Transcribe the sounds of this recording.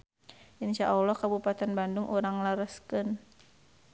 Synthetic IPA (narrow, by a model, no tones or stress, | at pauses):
ʔinʃaʔɔlːɔhkabupat̪ɛnbandʊŋʔuɾaŋlaɾəskɨn